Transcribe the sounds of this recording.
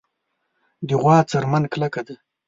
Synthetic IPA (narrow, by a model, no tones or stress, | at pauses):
d̪ɪɣwɑːt͡saɾmanklakad̪a